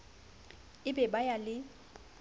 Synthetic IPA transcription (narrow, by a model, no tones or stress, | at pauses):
ɪbɛbajalɪ